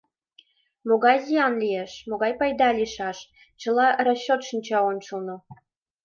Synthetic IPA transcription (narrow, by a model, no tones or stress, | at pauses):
moɣɑjziɑnlʲijeʃmoɣɑjpɑjd̪ɑlʲiʃɑʃ | t͡ɕə̆lɑroɕːot̪ʃinʲt͡ɕɑont͡ɕəlno